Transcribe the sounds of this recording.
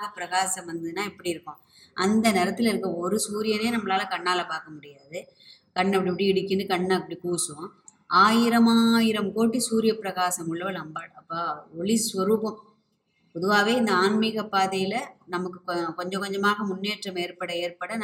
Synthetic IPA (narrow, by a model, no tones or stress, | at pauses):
ɣɐpɪɾɐɣaːsɐmʋɐnd̪ɐðɯnãːɪɛpːɐɽiɪɾɯkːʊ̃ | ʔɐnd̪ɐnɪɾɐt̪ːɪlɪɾɯkːɐ̃ɔɾɯsuːɾɪjɐneːnɐmːɐlaːlɐkɐɳːaːlɐpaːɾkɐmʊɽɪjaːðɯ | kɐɳːɐpːɐɽipːɐɽiɪɽɪkːɪnɖɯkɐɳːɐɐpːɐɽikuːsɯõ | ʔaːjɪɾɐmaːjɪɾɐmkoːʈ̬ːisuːɾɪjɐpɪɾɐɣaːsɐmʊɭːɐʋɐlɐmbaːɐpːaːɔɭɪsʋɐɾuːpɐ̃m | pɔðɯʋaːʋeːɪnd̪ɐaːnmɪɣɐpːaːðɐjɪlɐnɐmɐkːɯkkɔɲd͡ʒɐ̃kɔɲd͡ʒɐmaːɣɐmʊnːeːʈrɐmeːɾpɐɽɐeːɾpɐɽɐn